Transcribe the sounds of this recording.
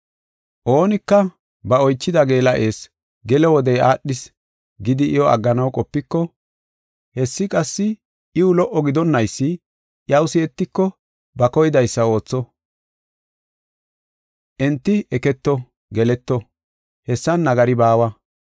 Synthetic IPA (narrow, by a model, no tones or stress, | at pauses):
ʔo̞ːnɪkːɐ | bɐɔjt͡ʃːɪd̪ɐɡe̞ːlɐʔe̞ːs | ɡɛlɛwɔd̪ɛjaːɗːɪs | ɡɪd̪ɪʔɪjɔɐ̰ɡːɐnɐwkʼɔpːɪkːɔ | hɛsːɪkʼɐsːɪ | ʔɪʊlɔʔːɔɡɪd̪ɔnːɐjsːɪ | ʔjɐwʊsɪɛt̪ːɪkːɔ | bɐkɔjɪd̪ɐjsːɐo̞ːt͡sːɔ | ʔɛnt̪ːɪɛkɛt̪ːɔ | ɡɛlɛt̪ːɔ | hɛsːɐnːɐɡɐɾɪbaːwɐ